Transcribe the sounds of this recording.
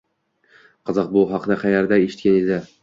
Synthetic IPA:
qʰɑzɑq̚bʊɦɑqʰnaqɑjaɾd̪aeʃɪ̥t̪kʲaned̪ɪ

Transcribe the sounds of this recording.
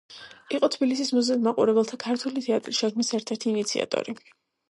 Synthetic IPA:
iqʼɔt̪ʰbilisismɔzɛmaqʼṵɾɛbɛlˠt̪ʰakʰaɾt̪ʰwulit̪ʰɛat̪ʼɾisʃɛkʰmisɛɾt̪ʰɛɾt̪ʰiːnit̪sʰḭa̰t̪ʼɔ̰ɾi

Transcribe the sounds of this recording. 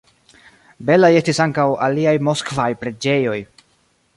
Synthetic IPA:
be̞laje̞stisaŋkawaliajmo̞skvajpɾe̞d͡ʒe̞jo̞j

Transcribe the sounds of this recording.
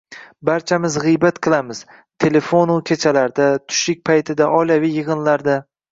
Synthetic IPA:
baɾt͡ʃʰamɪzʁɨjbat̪qʰɨlˠamɪz̥ | t̪ʰe̞le̞fonʊkʲʰet͡ʃʰalaɾd̪at̪ʰʊ̥ʃɪk̚ʲpʰajt̪ʰɪd̪aʔɒjlavijːɨʁɨnlaɾd̪a

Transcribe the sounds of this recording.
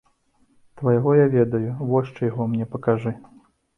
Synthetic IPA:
t̪vɐjaɣɔjavʲɛd̪ɐjuvɔʂt͡ʂɨjaɣɔmnʲɛpɐkaʐɨ

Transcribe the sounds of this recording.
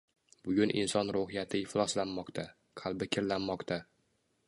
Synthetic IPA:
bʊɡʲʊnʔɪ̰nsɒnɾʊɦɪjat̪ʰɪɪflˠɒslanmɒqt̪ʰa | qʰɑlˠbɪkʲʰɪɾlanːɒqt̪ʰa

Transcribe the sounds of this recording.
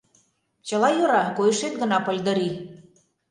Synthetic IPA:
t͡ɕəlɑjoɾɑkojə̆ʃet̪ɡə̆nɑpə̆lʲd̪ə̆ɾi

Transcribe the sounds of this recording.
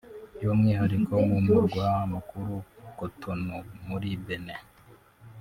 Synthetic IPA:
jomŋiːhaɾikʰomumuɾɡwahamakuɾukotʰonumuɾibene

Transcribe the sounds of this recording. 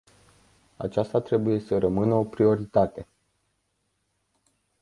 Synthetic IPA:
a̰t͡ʃast̪at̪ɾe̞buje̞səɾəmɨnəo̞pɾio̞ɾit̪at̪e̞

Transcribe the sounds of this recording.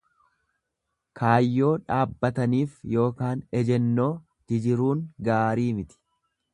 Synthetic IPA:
kʰaːjːo̞ːᶑaːbːɐt̪ɐniːfjo̞ːkaːnɛd͡ʒɛnːo̞ː | d͡ʒ̪̥ɪd͡ʒɪɾuːŋɡaːɾiːmɪt̪ɪ̥

